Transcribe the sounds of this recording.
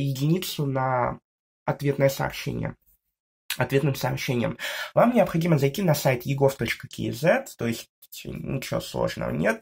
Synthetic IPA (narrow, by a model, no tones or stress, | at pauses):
jɪdʲɪnʲit̪sʊnɐ | ɐt̪vʲe̞t̪nəjəsə̰ɐ̰pɕːḛnʲɪ̰jə̰ | ɐt̪vʲe̞t̪nɨmsəɐpɕːenʲɪjə̰mvamnʲɪɐpxɐdʲiməzɐjtʲinɐsajt̪jɪɡo̞ft̪o̞t͡ɕkəkʲɪ̰ɪ̰zɛt̪ːo̞ɪsʲtʲ | tʲnʲɪ̰t͡ɕɪvo̰slˠo̞̰ʐnə̰və̰nʲe̞t̪̚